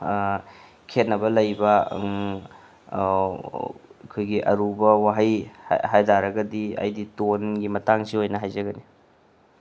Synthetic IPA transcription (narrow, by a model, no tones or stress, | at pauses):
kʰet̚nɐbɐlɐjbɐ | kʰojɡiʔɐ̰ɾubɐwaɦajɦajdaɾɐɡɐdiɐ̰jditonɡimɐtaŋsiojnɐɦajzɐɡɐni